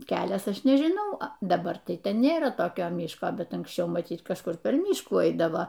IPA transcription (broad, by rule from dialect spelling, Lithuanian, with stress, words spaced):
ˈkʲæːlʲɛs ˈɐʃ nʲɛʒʲɪˈnɐʊ ɐ dɐˈbɐr tɐɪ ˈtʲɛn nʲeːˈrɐ toːˈkʲoː ˈmʲɪʃkoː bʲɛt ɐŋksʲˈt͡ʃʲɛʊ mɐˈtʲiːt kɐʃˈkʊr ˈpʲɛr ˈmʲiːʃkuː ˈɐɪdɐʋoː